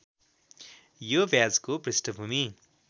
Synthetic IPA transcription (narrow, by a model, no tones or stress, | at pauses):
jobjad͡zkoprisʈəbʱumi